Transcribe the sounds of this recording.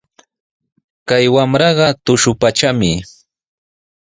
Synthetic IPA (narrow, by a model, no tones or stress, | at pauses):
kajwamɾɑɢɑt̪ʊʃʊpat͡ʃamɪ